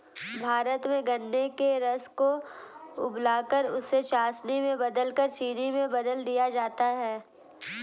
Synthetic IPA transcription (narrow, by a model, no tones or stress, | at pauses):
bʱaːɾət̪mẽɡɐnːekeɾɐsko | ʊblaːkəɾʊsːet͡ʃaːsnimẽbɐd̪əlkəɾt͡ʃiːnimẽbɐd̪əld̪ijad͡ʒaːt̪aɦɛː